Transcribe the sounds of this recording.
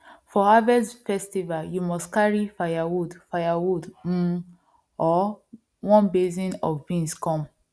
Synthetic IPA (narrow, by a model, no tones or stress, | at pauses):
fɔhavɛsfɛstivaljumɔstkaɹifajawudfajawudm̩ | ɔ | wɔ̃nbezĩnɔ̰vvĩnskɔ̃m